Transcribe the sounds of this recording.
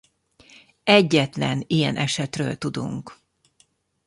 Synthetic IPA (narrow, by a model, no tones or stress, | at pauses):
ɛɟːɛt̪lɛnijɛnʔɛʃɛt̪rø̰ːlt̪ud̪ṵŋk